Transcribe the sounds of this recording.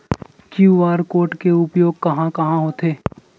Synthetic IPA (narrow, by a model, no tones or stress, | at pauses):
kjuaːɾkoːɾʈkeʊpjoːɡ̚kɐɦãkɐɦãɦoːt̪ʰeː